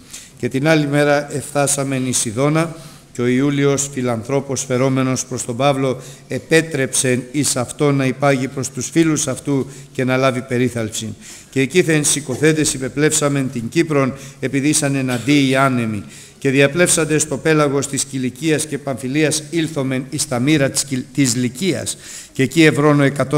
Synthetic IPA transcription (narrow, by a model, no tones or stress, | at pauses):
ce̞t̪inɐlime̞ɾɐʔe̞fθɐsɐme̞nisiðo̞nɐ | ceo̞iulio̞sfilɐnθɾo̞po̞sfe̞ɾo̞me̞no̞spɾo̞st̪o̞bɐvlo̞e̞pe̞t̪ɾe̞pse̞nisɐft̪o̞nːɐipɐʝipɾo̞st̪usfilusɐft̪uce̞nɐlɐvipe̞ɾiθɐlpsin | ce̞ːciθensiko̞θed̪e̞sipe̞ple̞fsɐme̞nt̪iɲɟipɾo̞ne̞piðisɐne̞nɐnd̪iːɐne̞mi | ce̞ðiɐple̞fsɐnd̪e̞st̪o̞pe̞lɐɣo̞st̪isciliciɐsce̞pɐɱfiliɐsilθo̞me̞nist̪ɐmiɾɐt̪izliciɐ̰s | ce̞cie̞vɾo̞noe̞kɐt̪o